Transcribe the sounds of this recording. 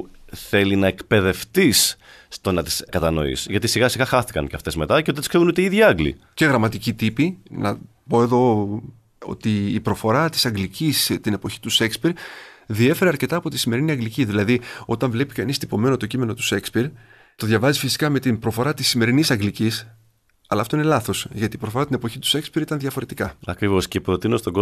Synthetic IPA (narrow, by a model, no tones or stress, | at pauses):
θe̞linɐekpe̞ðe̞ft̪isː | t̪o̞nɐt̪i̥skɐt̪ɐno̞̰ḭsʝɐt̪isiɣɐsiɣɐxɐθi̥kɐ̰nceɐft̪e̞zme̞t̪ɐceot̪skseɣunot̪eiiðʝiɐŋɡlḭ | ce̞ɣɾɐmɐt̪icit̪ipinɐ̰ | po̞e̞ðo̞ | o̰t̪iːpɾo̞fo̞ɾɐt̪i̥sɐŋɡlicist̪ine̞po̞çi̥t̪usekspiɾðie̞fe̞ɾeɐɾce̞t̪ɐːpo̞t̪isime̞ɾiniɐŋɡliciðilɐðio̞t̪ɐɱvle̞pi̥kɐnist̪ipo̞me̞not̪o̞cimeno̞t̪u̥sekspiɾ | t̪o̞ðʝɐvɐzifisi̥kɐme̞t̪impɾo̞fo̞ɾɐt̪isːime̞ɾinisɐŋɡlicis | ɐlɐːft̪o̞ine̞lɐθo̞sʝɐt̪iːpɾo̞fo̞ɾɐt̪ine̞po̞çit̪u̥se̞kspiɾit̪ɐnðʝɐfo̞ɾe̞t̪ikɐɐkɾivo̞scepɾo̞t̪inost̪oɡo